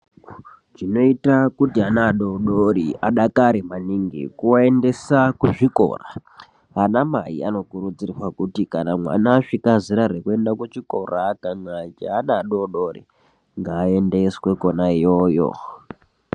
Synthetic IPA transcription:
ʐino̞itakutianaːɗoɗoɾiaɗakaɾimaniŋɡḭkuende̞sakuʐiko̞̰ra | anamajḭano̞kuɾud͡zirrwakutikanamwa̰naːʂikaziɾaɾekue̞ndakut͡ʃiko̞rakanat͡ʃeanaːɗoɗorḭ | ŋɡaːe̞nde̞swe̞konaijojo̰

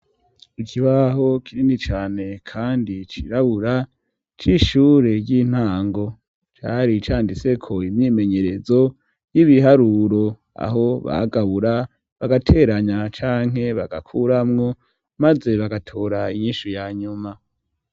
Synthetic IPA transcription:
ikʰiβaɦo̞kʰiɾinit͡ʃaːne̞kʰaːndit͡ʃḭɾaβuɾa | t͡ʃiʃuːɾe̞ɾɟin̥haːŋɡo̞ | t͡ʃa̰ɾit͡ʃaːndise̞kʰo̞imɲiːme̞ɲe̞ɾe̞zo̞ | jiβiɦaɾuːɾo̞ | a̰ɦo̞βa̰ɡaβuɾa | βaɡatʰe̞ːɾaɲat͡ʃaːŋ̥e̞βaɡakʰuɾamŋo̞ | maze̞βaɡatʰoːɾaiɲiːʃujaːɲuma

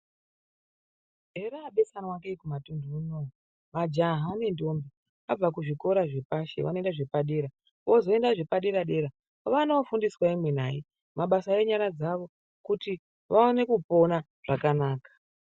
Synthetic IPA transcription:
ɦe̞ɾaːɓe̞sanwakeikumatunduunou | ʋad͡ʒaɦaːne̞ndo̞mbi | ʋa̰b͡vakuʐiko̞ɾaʐepaʃḛʋa̰no̞endaʐepaɗeːɾa | ʋo̞zo̞e̞ndaʐepaɗeɾaɗe̞ɾa | ʋanofundiswaimwen̤ai | maɓasaeɲaɾad͡zaʋo̞ | kuti | ʋaone̞kupo̞na | ʐ̥akanaːkḁ

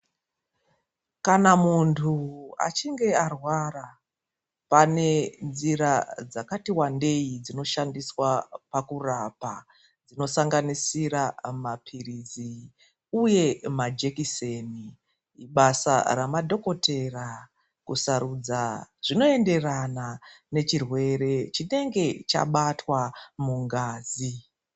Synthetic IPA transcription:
kanamuntʰua̰t͡ʃiŋɡe̞arwara | pane̞nd͡ziɾad͡zakatiwande̞id͡zino̞ʃandiswapakurapa̰ | d͡zino̞saŋɡanisiɾamapʰirizi | uje̞mad͡ʒe̞kiseni | ɓasa̰ramadʱo̞ko̞tʰe̞ra | kusaɾud͡zaʐ̥ino̞e̞nde̞ranane̞t͡ʃirwe̞ɾe̞t͡ʃine̞ŋɡe̞t͡ʃa̰ɓatwamuŋɡaːzi

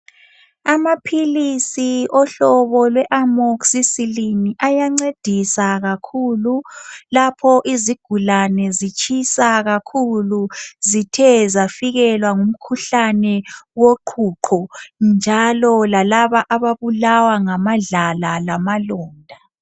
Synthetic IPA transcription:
amapʰilisiɔɬɔβɔlwɛʔamoksisiliniʔajaŋ͡ǀed̥ʱisaɣakʰululapʰɔʔiziɡ̥ʱulanɛzit͡ʃʰʼisaɣakʰuluzitʰɛzafiɣɛlwaŋum̩kʰuɬanɛwoǃʰuǃʰɔnd͡ʒʱalɔlalaβaʔaβaβulawaŋamaɮalalamalɔːndʱa

